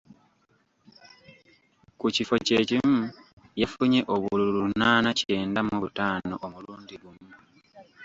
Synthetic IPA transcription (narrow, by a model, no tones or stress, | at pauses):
kucifo̞ce̞ːcimu | jafuɲe̞ʔo̞βuluulunaːnacie̞ːndamuβutaːno̞̰ʔomuluːndiɡumu